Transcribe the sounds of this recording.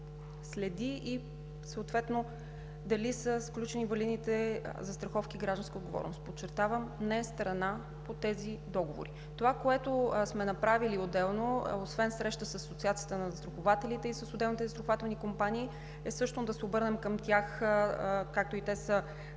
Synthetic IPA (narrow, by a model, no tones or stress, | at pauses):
slɛd̪ii | səːt̪vɛt̪no | d̪ɐlisəsklʲut͡ʃɛnivɐlinit̪ɛzɐst̪ɾɐxɔfkiɡɾaʒd̪ɐnskəod̪ɡovɔ̰ɾno̰st̪pot͡ʃːɛɾt̪avəmnɛɛst̪ɾɐna | pot̪ɛzid̪ɔɡovo̰ɾi | t̪ovakoɛt̪osmɛnɐpɾaviliod̪ɛlˠnoosvɛnsɾɛʃt̪əsəssot̪siat̪sijət̪ənɐst̪ɾoxovat̪ɛlit̪ɛisəsod̪ɛlˠnit̪ɛzt̪ɾoxovat̪vnikompaniː | ɛsɤʃt̪ond̪ɐsɛobɤɾnɛmkəmt̪ʲjax | kak̚t̪oit̪ɛsə